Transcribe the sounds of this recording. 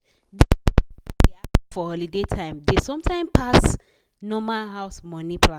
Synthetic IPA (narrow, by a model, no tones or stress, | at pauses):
d | eafɔhɔlidetʰãɪ̃mdesɔ̃mtʰãɪ̃mpʰas | nɔmalɦaʊsmɔnipʰlã